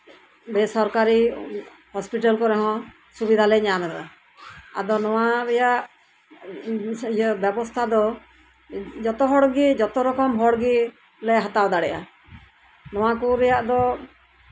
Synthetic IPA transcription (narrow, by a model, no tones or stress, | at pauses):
bɛsɔɾkaɾi | hɔspiʈalkɔɾɛɦɔ̃ | subid̪ʱalɛɲamɛd̪ɔʔɔ | a̰d̪ɔnɔwaɾɛjaʔ | jbjɛbɔst̪ʰad̪ɔ | d͡ʒɔt̪ɔɦɔɽɡid͡ʒɔt̪ɔɾɔkɔmɦɔɽɡi | lɛɦat̪awd̪aɽɛʔa | nɔ̃w̃akuɾɛjaʔd̪ɔ